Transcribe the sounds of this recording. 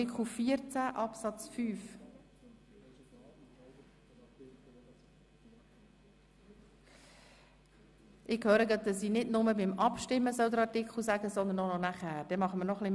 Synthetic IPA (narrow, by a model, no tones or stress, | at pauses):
ɪkχlufiəɾt͡sæʔɑpsɑt͡sfyːf | ʔɪkhœːɾəɡɑt̚dɑsiːnɪdnʊməbɪmʔɑpʃtɪmːəsœwd̪əɾɑɾtɪkχl̩ˠsæɡəsɔnd̪ənːɔnɔnæχæːɾd̥ɛmɑχəməɾnɔχlɪ